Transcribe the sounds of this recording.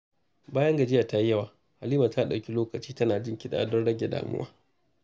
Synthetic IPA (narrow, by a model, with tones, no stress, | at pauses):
baː˦jɐ˦ŋɡɐ˨d͡ʒɪ˦jaː˨ta˦ji˦jɐ˦˨waː˨ | ha˨liː˦ma˨ta˦˨ɗɐ˨kʲi˦loː˦kɐ˨t͡ʃiː˦tɐ˦naː˨d͡ʒɪ˦˨ŋkʲɪ˦ɗa̰ː˨dɔ˦nɽɐ˦ɡʲe˨da̰ː˨mʊ̰˦wʔa̰ː˦